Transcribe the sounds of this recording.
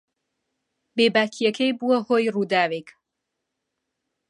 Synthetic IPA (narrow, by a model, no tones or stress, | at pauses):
beːbaːkʰijɐkʰejbuwɐhoːjruːd̪aːwek